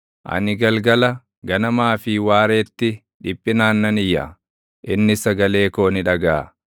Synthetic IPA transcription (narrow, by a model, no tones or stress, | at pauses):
ʔɐ̰nɪɡɐlɡɐlɐ | ɡɐnɐmaːfɪwaːɾe̞ːt̪ːɪ | ᶑɪpʼːɪnaːnːɐnɪjːɐ̰ | ʔɪnːɪsɐɡɐle̞ːko̞ːnɪᶑɐɡaː